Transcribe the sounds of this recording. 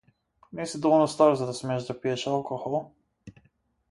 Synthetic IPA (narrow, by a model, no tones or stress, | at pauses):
nɛsid̪ɔvnɔst̪aɾzad̪asmɛaʒd̪apiɛʃalˠkɔxɔlˠ